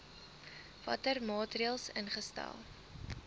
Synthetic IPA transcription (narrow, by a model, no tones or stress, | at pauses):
vɐ̰tərmɑːtriəlˠsənχəstæ̰lˠ